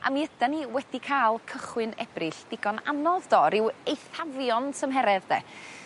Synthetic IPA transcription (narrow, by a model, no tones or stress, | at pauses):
ʔa̰miəd̥aniwɛd̥ikʰajlˠkʰəχwɨnɛ̰b̥rɪɬd̥ɪɡɔna̰nɔðd̥ɔɾɪwejθavjɔntʰəmɦɛɾɛððɛ̰